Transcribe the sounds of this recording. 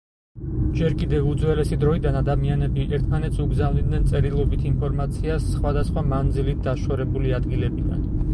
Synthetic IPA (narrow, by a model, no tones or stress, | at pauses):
d͡ʒɛɾkʼid̪ɛvud̪zwɛlɛsid̪ɾɔid̪anad̪amianɛbiʔɛɾt̪ʰmanɛt̪sʰuɡzavnid̪nɛnsʼɛɾilˠɔbit̪ʰinpʰɔɾmat̪sʰiasːχwad̪asχwamand̪zilit̪̚d̪aʃɔɾɛbuliad̪ɡilɛbid̪a̰n